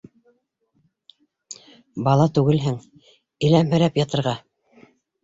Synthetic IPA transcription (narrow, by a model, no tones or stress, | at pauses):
bɑlˠɑt̪ʉɡɘlɦɘŋ | ɘ̆læmɦɵ̆ɾæpjɑt̪ɤ̆ɾʁɑ